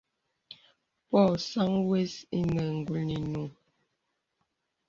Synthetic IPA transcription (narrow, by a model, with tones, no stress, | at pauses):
pɔ˦˨sa˦ŋwe˦si˦nɛ˨ŋ˨ɡu˨lni˨nu˨ŋ